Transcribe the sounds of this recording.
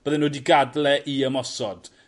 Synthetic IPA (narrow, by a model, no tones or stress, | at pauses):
b̥əðɛnoːdiɡadlɛʔiəmɔsɔd̥